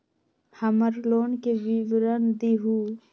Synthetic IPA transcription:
həməɾloːnkeʋiʋɾənd̪iɦu

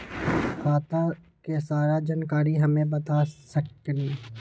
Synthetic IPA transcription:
xaːt̪ã | kesaːɾad͡ʒaːnkaːɾiɦɐmẽbɐt̪aːsɐk̚t̪nĩː

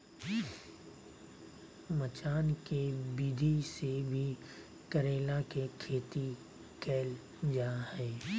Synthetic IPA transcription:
mət͡ʃaːnkebiːd̪ʱisebʱi | kəɾeːlakekʰeːt̪i | kɛːl | d͡ʒaːhɛː

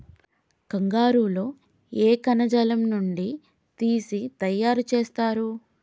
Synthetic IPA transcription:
kɐŋɡaːɾuːlo̞ː | eːkɐnɐd͡ʒɐlɐmnuɳɖi | t̪iːsit̪ɐjːaːɾut͡ʃe̞ːst̪aːɾu

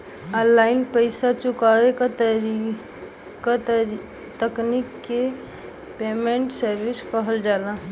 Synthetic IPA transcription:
əlːaɪnpəɪsat͡ʃʊkaʋekat̪ | ka | t̪əknikːe | pemẽɳʈsəɾʋɪskəɦəld͡ʒaːlã

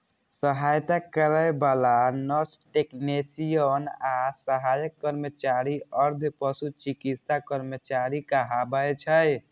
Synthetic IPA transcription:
səɦajt̪akəɾəebalanɔsʈeknesijənasəɦajəkːəɾmət͡ʃaɾiəɾd̪ʱpəsut͡ʃikit̪sakəɾmət͡ʃaɾikəɦabəjt͡ʃʰəj

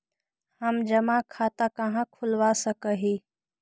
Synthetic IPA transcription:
həmd͡ʒəmakʰaːt̪akəɦãkʰʊlʋasəkəɦiː

